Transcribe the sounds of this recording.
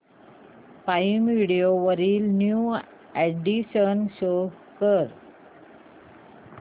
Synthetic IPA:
paimʋiɽioʋəɾiːlnju | eɖiɕənɕo | kəɾ

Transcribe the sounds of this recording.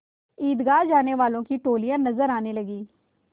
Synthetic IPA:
iːd̪ɡaːd͡ʒaːneːʋaːlõːkiːʈoːlijãːnəzəɾaːneːləɡiː

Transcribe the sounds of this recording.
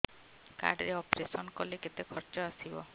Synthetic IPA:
ka̰ɖɾeɔpɾesɔnkɔleket̪ekʰɔɾt͡ʃɔasibɔ̰

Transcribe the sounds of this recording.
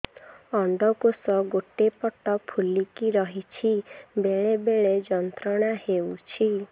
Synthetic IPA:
ɔɳɖ̪ɔkosɔɡoʈepɔʈɔpʰulikiɾɔɦit͡ʃʰibeɭebeɭed͡ʒɔnt̪ɾɔɽ̃ahewt͡ʃʰi

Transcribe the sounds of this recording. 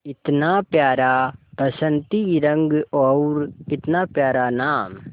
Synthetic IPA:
ɪt̪napjaːɾaːpɐsə̃nt̪iɾɐ̃ŋɡɔɾɪt̪naːpjaːɾanaːm

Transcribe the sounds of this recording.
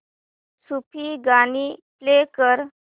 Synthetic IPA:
supʰiɡaniplekəɾ

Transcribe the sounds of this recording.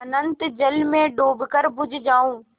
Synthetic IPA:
ɐnə̃nt̪d͡ʑɐlmẽɖoːbʱkəɾbʱʊd͡ʑʱɪd͡ʑaːũː

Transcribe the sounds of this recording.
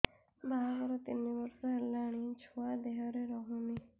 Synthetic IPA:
baɦaɡɔɾɔt̪inːibɔɾsɔɦelaɽ̃it͡ʃʰuad̪eɦɔɾeɾɔɦuni

